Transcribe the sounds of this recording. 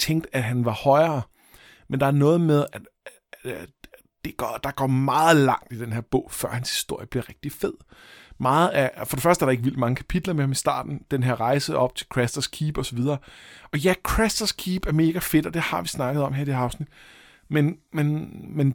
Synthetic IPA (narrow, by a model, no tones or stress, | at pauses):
t͡sʰeŋ̰ɡd̥æɦænʋɑ̈hɒ̽ɪɐː | mend̥ɑ̈æɐnɔ̽ːð̞̩ˠmeð̞ˠæd̥ | d̥e̝ɡ̥ɒd̥ɑ̈ɡ̥ɒ̰ːmɑ̈ːð̩ˠlɑ̈ŋ̰d̥id̥enɦeɐb̥ɔ̰̽ʊ̰fɶɐ̰hænshi̥sd̥o̝ɐ̰jəb̥liɐʁɛɡ̥̚d̥ifeð̞̰ˠmɑ̈ːð̩ˠæfɒɾe̝fɶɐd̥əæɐɾ̥ɑe̝ɡ̥ʋil̰d̥mɑ̈ŋəkʰæ̥pʰid̥lɐmehɑ̈misd̥ɑ̰̈ːd̥n̩d̥enɦeɐʁɑ̈ɪsəɒ̽b̥̚t͡sʰe̝lkʰʁesd̥ɐskʰiːb̥ɒ̽sɒʋið̞ˠɐːɒ̽jækʰʁesd̥ɐskʰiːb̥æɐme̝ːɡ̥æfe̝d̥ɒd̥e̝hɑ̈ʋisnɑ̈ɡ̥əð̞̩ˠɒ̽mɦeɐ̰id̥eɑ̈ʊsnid̥ | menmenmen